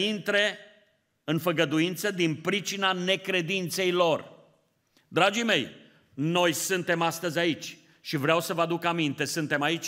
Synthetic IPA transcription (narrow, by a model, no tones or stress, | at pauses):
int̪ɾe | ɨnfəɡəd̪uint̪səd̪inpɾit͡ʃinane̞kɾe̞d̪int̪se̞jlo̞r | d̪ɾad͡ʒime̞j | no̞jsɨnt̪e̞mast̪əzʲait͡ʃʲ | ʃivɾeawsəvəad̪ukamint̪e̞sɨnt̪e̞mait͡ʃʲ